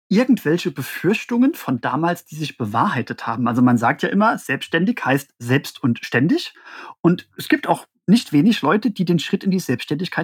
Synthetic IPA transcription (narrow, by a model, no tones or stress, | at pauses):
ʔɪɐɡŋ̩tv̥ɛlçəbəfʏɐçtʊŋənfɔnda̰ːmaːlsd̥iːzɪçb̥əvaːɐɦaɪtəthaːbm̩ʔalzomanzaːk̚tjaːʔɪmɐz̥ɛlpstʃtɛndɪçhaɪstz̥ɛlpstʊntʃtɛndɪçʔʊntʔɛsɡ̥iːp̚taʊx | nɪçtv̥eːnɪçlɔʏtəd̥iːdeːnʃʁ̥ɪtɪndiːzɛlpstʃtɛndɪçkʰaɪt